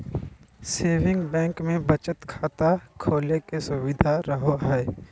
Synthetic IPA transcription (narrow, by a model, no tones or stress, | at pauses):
seːʋɪ̃ŋɡbɛ̃ːŋkmẽbət͡ʃət̪kʰaːt̪akʰoːlekesʊwɪd̪ʱaɾəɦoɦɛː